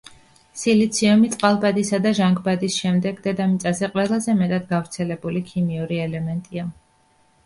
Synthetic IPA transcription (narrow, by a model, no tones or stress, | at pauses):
silit̪sʰiɔmit̪sʼqʼalˠbad̪isad̪aʒaŋɡbad̪isʃɛmd̪ɛɡd̪ɛd̪amit̪sʼazɛqʼwɛlˠazɛmɛt̪ʼad̪ɡavɾt̪sʰɛlɛbulikʰimiuɾiɛlɛmɛnt̪ʼia